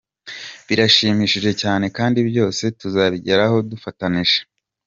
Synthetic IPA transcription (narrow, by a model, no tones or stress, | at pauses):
βiɾaʃiːmiːʃiʒe̞caːne̞kaːndibjo̞ːse̞tuzaβiɟe̞ɾaho̞dufataniʒe̥